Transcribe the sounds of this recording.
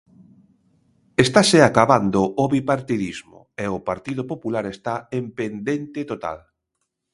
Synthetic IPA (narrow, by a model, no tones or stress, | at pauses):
est̪aseakaβand̪oʔoβipaɾt̪iðizmʊ̰eopaɾt̪iðʊpopulaɾest̪aempend̪ent̪ɪt̪ot̪a̰l